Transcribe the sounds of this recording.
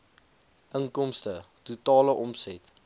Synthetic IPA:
ʔəŋkɔmstə | tutɑːləʔɔmsɛt

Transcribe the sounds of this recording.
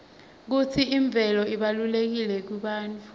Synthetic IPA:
k̬ut͡sʰiiɱb̪vʱɛlɔiɓalulek̬ilɛk̬wiɓaːntu

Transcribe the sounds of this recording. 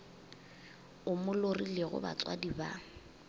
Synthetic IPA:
ʊmʊlorileɣʊ̰ba̰t͡sʼwadiba

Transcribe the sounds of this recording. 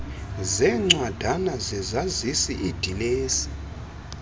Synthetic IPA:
zɛŋ͡ǀwad̥ʱanazɛzazisiʔid̥ʱileːsi̥

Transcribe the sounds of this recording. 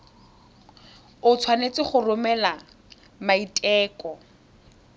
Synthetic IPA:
ʊt͡sʰwanet͡sɪχʊrʊmɛla | maitʼɛːkʼɔ

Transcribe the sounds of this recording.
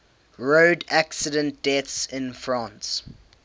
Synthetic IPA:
ɹoːdæksədə̃nt̚d̥ɛtsɪ̃nfɹãːns

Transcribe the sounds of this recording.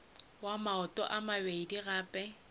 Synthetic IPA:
wamaɔtʼɔ̰ʔamabeidiɣaːpʼɛ

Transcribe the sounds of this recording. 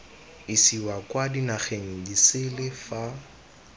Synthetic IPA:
isiwakʼwadinaχeŋ̩disɪlɪfa

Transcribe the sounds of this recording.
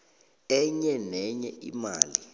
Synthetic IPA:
ɛɲɛnɛɲɛʔḭmaːli

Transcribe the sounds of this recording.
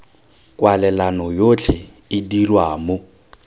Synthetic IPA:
kʼwalɛlanɔjot͡ɬʰɪ | ɪdirwaːmʊ

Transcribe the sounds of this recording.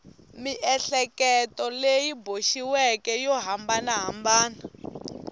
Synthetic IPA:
miʔɛɬɛkɛtɔlejiboʃiwɛkɛjɔɦambanaɦambaːna

